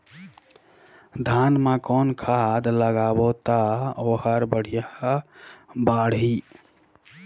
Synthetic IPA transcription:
d̪ʱanmãkɔnkʰad̪ləɡabot̪aohəɾbəɽ̤ija | baɽɦi

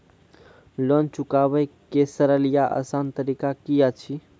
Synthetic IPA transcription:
lɔnt͡ʃukabəjkesəɾəlijaʔə̰sant̪əɾikakijat͡ʃʰi

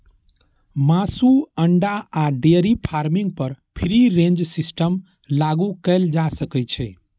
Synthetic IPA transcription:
masuəɳɖaaɖeɾipʰaɾmiŋɡ̚pəɾpʰɾiɾẽnd͡ʒsisʈəm | laɡukəld͡ʒasəkɛt͡ʃʰɛ

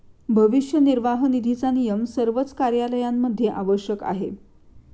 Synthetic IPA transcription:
bʱəʋiʂjəniɾʋaɦnid̪ʱit͡sanijəmsəɾʋət͡skaɾjaləjamːəd̪ʱːjeʔaʋəɕjəka̰ɦe

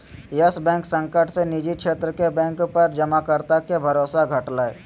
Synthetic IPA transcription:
jəsbɛ̃ːŋksə̃ŋkəʈʰsenid͡ʒiʃʰeːt̪ɾəkebɛ̃ːŋkpɐɾd͡ʒɐmakəɾt̪akebʱɐɾoːsaɡʱəʈlaːḛ

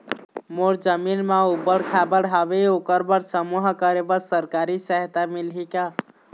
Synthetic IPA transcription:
moɾd͡ʒəminmeubəɽkʰabəɽɦabeokəɾbəɾsəmuɦkəɾebəɾsəɾkaɾisəɦt̪amilɦika

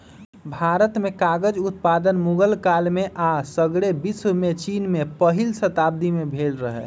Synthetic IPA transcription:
bʱaːɾət̪mekaɡəd͡ʒut̪̚pad̪ənmuɡəlkalmeʔasəɡɽebiswmet͡ʃinmepəɦilsət̪aːb̚d̪imebʱeːlɾəɦɛ̰

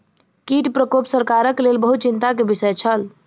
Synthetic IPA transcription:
kiʈpɾəkopsəɾkaɾəklelbəɦut̪̚t͡ʃint̪akebisəjt͡ʃʰəl

